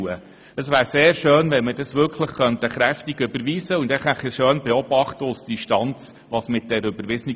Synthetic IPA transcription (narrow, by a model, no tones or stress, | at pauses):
ə | əsvʋæːɾseːɾʃøːnʋɛnmədɑsʋʏɾkʰləχχœnt̪əχɾæftiɡʏbəɾʋiːsəʊnd̥ɛχɛχəʃøːnbɛɔb̥ɑχtəʊsd̥iʃtɑnt͡s | ʋɑsmɪt̚d̥ɛɾʏbəɾʋɪsəni